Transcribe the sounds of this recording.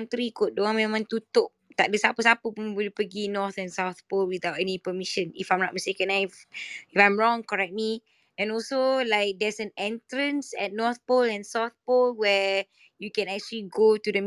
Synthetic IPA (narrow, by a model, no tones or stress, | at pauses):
nt̪ɾikot̚doãŋmɛ̃mãnt̪ut̪ok̚t̪aʔ̚dəsapəsapəpũnwilipəɡinɔt̪ɛ̃nsawθpolwid̪awtɛnipəmiʃə̃nifãj̃mɹaʔ̚məstekə̃najifãj̃mɹɔ̃ŋkɔɹɛk̚t̚mi | ɛ̃nɔlsolaɪk̚dɛsɛ̃nɛ̃ntɹə̃nsɛt̚nɔt̪̚polɛ̃nsawθ̚polwɛ | jukɛ̃nɛk̚t͡ʃuəliɡotudəm